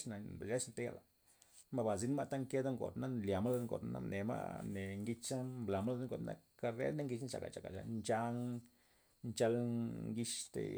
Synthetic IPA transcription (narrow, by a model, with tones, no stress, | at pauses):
na˨be˨lʲa˦snt̪e˦ja˨la˨ | ma˧ba˨zi˧˦n˦ma˦t̪a˦ŋke˦d̪a˦ŋɡo̰˨d̪na˦nlja˨ma˦la˧d̪ŋɡo̰˨t̪na̰˦nʔe˨ma̰˦ne˨ŋɡi˧t͡ʃa˦mmbla˨ma˦la˧d̪ŋɡo̰˨t̪na̰˦ka˧ɾḛ˦d̪na˦ŋɡi˧t͡ʃt͡ʃa̰˨ka̰˨t͡ʃa˨ka̰˨t͡ʃa̰˨nt͡ʃa˧ŋ | nt͡ʃa˧lŋɡi˧ʃt̪ḛ˧